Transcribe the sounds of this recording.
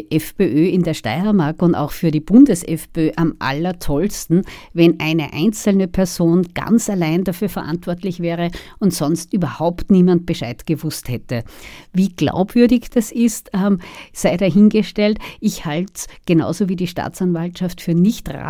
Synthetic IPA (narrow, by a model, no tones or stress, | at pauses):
ʔɛfpeʔøːɪndeːɐʃta̰ɪɐmaɐk̚ʊnda̰ʊxfyːɐɾiːb̥ʊndəsɛfpeøːʔamʔa̰lɐtʰɔlstn̩vɛnʔæɪnə̰ʔæ̰ɪnt͡sl̩nəpʰɛɐzoːnɡ̥a̰nt͡salaɪndafyːɐfɐʔã̰ntv̥ɔɐtlɪçv̥ɛːʁə | ʊntsɔ̃nstʔyːbɐhaʊptniːmant̚b̥əʃaɪtɡ̥əvʊsthɛtəviːɡ̥la̰ʊbv̥ʏɐdɪçd̥asɪstːmsaɪɾaɦɪnɡəʃtɛltɪçhaltɡ̥əna̰ʊzoviːdiːʃta̰ːt͡sanvaltʃaftfyːɐnɪçtʁa̰